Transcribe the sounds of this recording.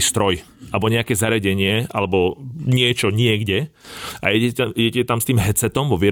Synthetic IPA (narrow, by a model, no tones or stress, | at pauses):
ist̪ɾɔj | ʔabɔɲɛakɛːzaɾɪaɟɛɲɪɛa̰lɛbɔɲɪɛt͡ʃɔɲɪɛɡɟɛʔa̰ɛiɟɛcɛt̪amst̪iːmɦɛt͡sɛt̪ɔmʋɔʋɪɛ